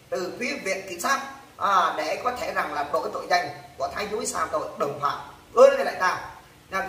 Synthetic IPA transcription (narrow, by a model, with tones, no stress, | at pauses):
t̪ɨ˨˩t̪wi˨˦vḭ˧˨ənki˧˩˦nsaː˦˥k̚ | ʔːɗḛ˧˥kɔ˨˦t̪ʰe˧˩za˨˩ŋlaː˨˩mɗo˨˩kaː˨˦jt̪o̰˧˨jzəa˧jŋ̟ku˧˩ət̪ʰaː˨˧˦jzu˨˦saː˧˩wt̪o̰˧˨jɗə˨˩wŋ͡mfa̰ː˧˩ | ʔɨ˧˦a˧˩la̰ː˧˨t̪aː˧˩w | ɲa˨˧˩